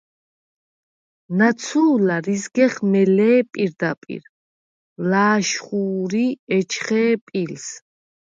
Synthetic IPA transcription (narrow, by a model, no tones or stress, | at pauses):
nat̪sʰuːlaɾizɡɛχmɛlɛːpʼiɾd̪apʼḭɾ | laːʃχuːɾiɛt͡ʃʰχɛːpʼils